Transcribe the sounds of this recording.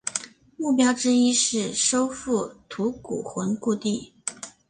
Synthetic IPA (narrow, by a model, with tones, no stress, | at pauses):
mu˥˩pjɑ˥ʊʈ͡ʂɻ̩˥i˥ʂɻ̩˥˩ʂo˥ʊfu˥˩t̪ʰu˧˥kṵ˨˩xwə˧˥nku˥˧t̪i˥˩